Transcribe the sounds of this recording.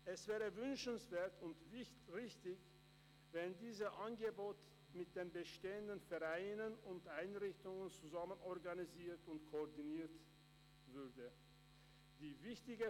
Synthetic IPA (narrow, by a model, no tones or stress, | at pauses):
ʔɛsv̥ɛːʁəvʏnʃn̩sv̥eːɐtʰʊntvɪ | ʁɪçtɪç | vɛndiːzəʔanɡəboːt | mɪt̚d̥eːnbəʃteːəndənfɛʁaɪnənʊntʔaɪnʁɪçtʊŋənt͡suzamənɔɐʁɡaniziːɐtʊntkʰoɔdiniːɐt | vʏʁdə | d̥iːvɪçtɪɡə